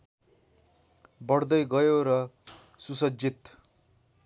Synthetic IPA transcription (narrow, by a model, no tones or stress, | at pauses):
bʌɽd̪ʌjɡʌjoɾʌ | susʌd͡ʒit̪